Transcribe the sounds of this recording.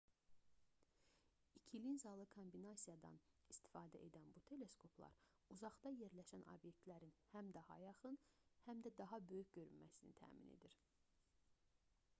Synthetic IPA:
icʰilinzɑlˠɯkʰombinɑsijɑd̪ɑ̰nist̪ʰi̥fɑːd̪æ̰ʔe̞d̪ænbut̪ʰe̞le̞skʰo̞pʰlˠɑ̰ɾ | uzɑχd̪ɑje̞ɾlæʃænʔo̰bje̞k̚t̪læɾinhæmd̪ɑhɑ̰jɑχɯnhæmd̪æd̪ɑɦɑbø̞jycɟø̞ɾynmæ̰sinḭt̪ʰæ̰ːmḭnʔe̞̰d̪iɾ

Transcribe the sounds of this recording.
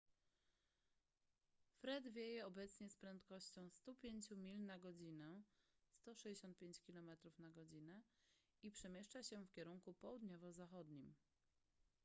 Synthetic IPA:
fɾɛd̪vʲjejɛɔbɛt̪sɲɛspɾɛnt̪kɔɕt͡ɕɔ̃w̃st̪upʲjeɲt͡ɕumʲilnaɡɔd͡ʑinɛst̪ɔʂɛd͡ʑeɕɔnt̪̚pʲjẽɲt͡ɕkʲilɔmɛt̪ɾufnaɡɔd͡ʑinɛ | ipʂɛmʲjeʂt͡ʂaɕɛfkʲɛɾuŋkupɔwud̪ɲɔvɔzaxɔd̪ɲim

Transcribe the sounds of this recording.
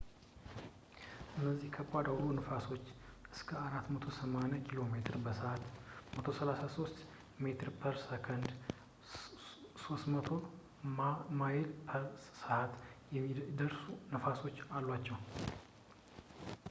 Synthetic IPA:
ɨnːəzːihkʰəkʼad̪awlunɨfaso̞t͡ʃːʔɨskʰəaɾat̪ːmət̪ʰo̞səmanɛkʰilo̞me̞t̪ʰɨɾbəsəʔat̪mət̪ʰo̞səlasaso̞st̪ | me̞t̪ʰɨɾpʰəɾsəkʰənd̪ | so̞st̪mət̪ʰo̞ | majelpʰəsəʔat̪jɛd̪əɾsunɨfaso̞t͡ʃːalːwat͡ʃːɛw

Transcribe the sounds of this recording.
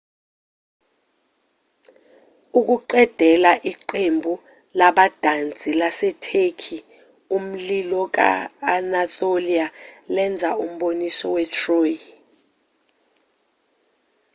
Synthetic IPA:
uk̬uǃɛd̥ʱɛlaʔiǃembʱu | laɓad̥ʱant͡sʼilasɛtʰekʰi | um̩lilɔk̬a̰anatolialɛnd͡zʱaum̩ɓonisɔwɛtʰroːj

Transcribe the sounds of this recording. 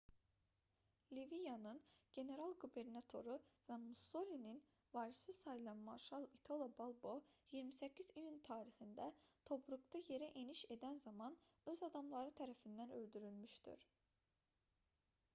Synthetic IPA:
livijɑnɯnɟe̞ne̞ɾɑlˠɡube̞ɾnɑt̪ʰo̞ɾuvæmuso̞lʲinin | vɑɾisɯsɑjlˠɑmɑɾʃɑlˠit̪ʰo̞lˠobolˠbo̞jiɾmisɛcʰːizijunt̪ʰɑːɾixind̪æt̪ʰo̞pɾuɡt̪ɑje̞ɾɛʔeniʃe̞d̪ænzɑmɑnøzɑd̪ɑmlˠɑɾɯt̪ʰæɾæfind̪ænø̞ld̪yɾylmyʃt̪y̰ɾ̥

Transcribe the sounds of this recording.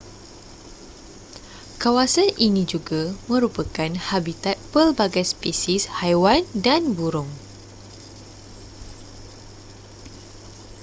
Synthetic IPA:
kawasanʔinĩd͡ʒuɡamə̃ɾupakanhabit̪at̪̚pəlbaɡajspesishajwandanbuɾʊŋ

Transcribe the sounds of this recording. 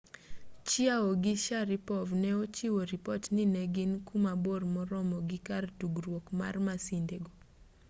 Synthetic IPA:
t͡ʃiaoɡɪʃaɾipɔvnɛot͡ʃiwoɾipɔtnɪnɛɡɪnkumabormɔɾɔmɔɡɪkartuɡɾwokma̰rmasindeɡo

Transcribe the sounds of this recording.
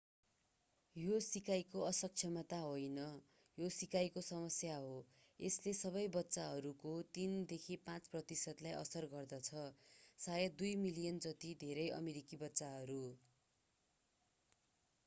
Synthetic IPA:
josikajkoʌsʌk̚t͡sʰjʌmʌt̪aɦojnʌ | josikajkosʌmʌsjaɦo | eslesʌβʌjbʌtːsaɦʌɾukot̪ind̪ekʰipãt͡sprʌt̪isʌd̪lajʔʌ̰sʌrɡʌrd̪ʌt͡sʰʌsajʌd̪ujmilijʌnd͡zʌt̪id̪ʱeɾʌjʌ̰meɾikibʌtːsaɦʌɾu

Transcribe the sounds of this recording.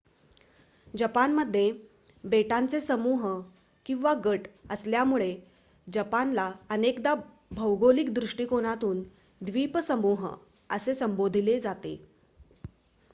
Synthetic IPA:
d͡ʑəpanməd̪ʱːje | beʈant͡sesəmuɦ | kĩw̃ʋaɡəʈəsljamuɭe | d͡ʑəpanlaənekd̪a | bʱəwɡolikd̪ɾuʂʈiːkoɽ̃at̪uːn | d̪ʋipəsəmuɦ | əsesəmbod̪ʱiled͡zat̪ḛ

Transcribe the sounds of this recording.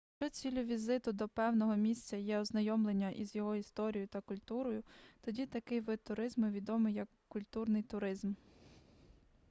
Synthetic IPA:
t͡ʃɔt͡sʲilʲʊʋʲizɪt̪ʊd̪ɔpɛwnɔɦɔmʲisʲt͡sʲɐjɛɔznɐjɔmlˠe̞nʲːɐʔizjɔɦɔist̪ɔɾʲijʊt̪ɐkʊlʲt̪uɾɔjʊt̪ɔdʲit̪ɐkɪjʋɪt̪ːʊɾɪzmɪʋʲid̪ɔmɪjɐkːʊlʲt̪urnɪjt̪ʊɾɪzm

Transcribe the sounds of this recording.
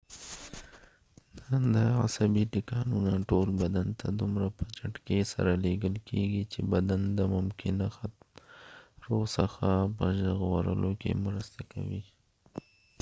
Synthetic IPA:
nənd̪əa̰sabiʈikɑnunaʈolbad̪ant̪ʰad̪umɾapət͡ʃaʈkesa̰ɾaleɡəlkʰeɡit͡ʃebad̪and̪əmʊmkʰɪnaxat̪m | ɾosəxapəʒaɣwaɾə̰lokḛmɾəst̪aka̰wi

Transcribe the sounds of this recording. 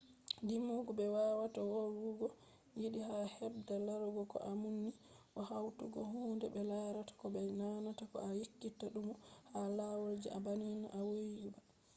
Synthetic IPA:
dimuɡubɛwawatawɔɾuɡɔ | jiɗihahɛbdalːaɾɡɔkɔ̰ʔamunːiʔɔhawtuɡɔɦuːndɛbɛlaɾatḁkɔbɛnanatakɔ̰ajekːitːaɗumɔhalawald͡ʒḭʔabanina̰ʔawojiba

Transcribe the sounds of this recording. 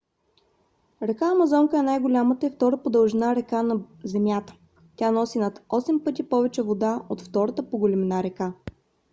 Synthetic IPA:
ɾɛkaɐmɐzɔŋkəɛnajɡolʲamət̪əift̪ɔɾəpod̪ɐlˠʒɛnaɾɛkanɐzɛmʲjat̪ə̥ | tʲanɔsinɐt̪ɔsɛmpɤt̪̬ʲipɔvɛt͡ʃɛvod̪aʔot̪ft̪ɔɾət̪əpoɡolʲɛmɛnaɾɛka

